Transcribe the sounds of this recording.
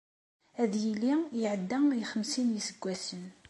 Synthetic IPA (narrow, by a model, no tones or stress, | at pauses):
æðjilijəʕəd̪ːæiχəmsinjisəɡʷːæsən